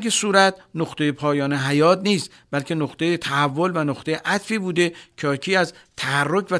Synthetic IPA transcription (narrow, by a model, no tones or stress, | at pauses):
kesuːɾæt̪noχt̪e̞jepʰɒːjɒːneɦæjɒːt̪niːst̪ | bælkʰe̞noχt̪ejet̪ʰæhævːo̞lvænoχt̪e̞jeʔæt̪fiːbuːd̪e̞cʰɒːkʰiːæzt̪ʰæhærːokʰvæ